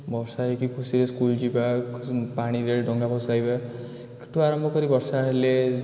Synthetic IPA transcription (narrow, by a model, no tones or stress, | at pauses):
bʌsaekikʰusiɾeskuld͡ʒibapaɽ̃iɾeɖɔŋɡapɔsajba | ekʈʰuaɾʌmbʱʌkʌɾibʌɾsaele